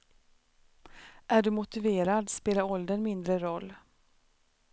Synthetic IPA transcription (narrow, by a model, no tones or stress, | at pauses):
ʔæɖɵmʊt̪ɪveːɾad̪speːlaɾɔld̪ənmɪnd̪ɾəɾɔlː